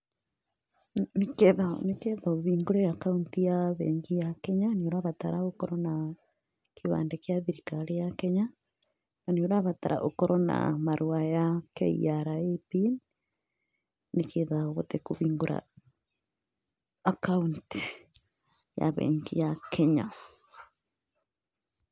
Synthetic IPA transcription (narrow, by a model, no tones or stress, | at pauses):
nekeðanekeðoβiːŋɡoɾejakauntijaβḛːŋɡijakɛɲaneoɾaβataɾaokɔɾɔna | kʰeβa̰ːndekjaðiɾikalejakɛɲa | naneoɾaβataɾa̰ʔokɔɾɔna̰maɾuajakɛ̰ḭaɾaepin | nekeðaoβot̪ekoβiːŋɡoɾa̰ | akaunti̥ | ja̰βɛ̰ːŋɡijakʰɛɲa